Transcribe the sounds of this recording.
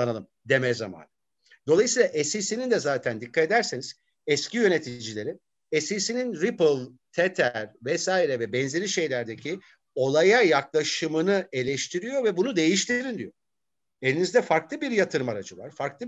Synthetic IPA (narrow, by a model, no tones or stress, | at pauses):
analˠɯm | d̪e̞mɛza̰ma̰ːn | d̪o̞lˠajɯsiːlˠaʔɛsisinind̪ɛzaːt̪ʰænd̪ikʰːat̪e̞d̪æɾseniz̥ | ɛscijø̞net̪ʰid͡ʒilʲe̞ɾi | ɛsisininɾipɯlˠt̪ʰet̪ʰæɾvɛsaːiɾɛvɛbɛnze̞ɾʲiʃe̞jlʲæɾd̪ecʰi | o̞lˠajajaklˠaʃɯmɯnɯe̞lʲɛʃt̪ʰiɾijo̞vɛbunud̪e̞jiʃt̪ʰiɾind̪ijo | e̞lʲinizd̪ɛfaɾklˠɯbiɾjat̪ʰɯɾɯmaɾad͡ʒɯva̰ɾ̥faɾklˠɯ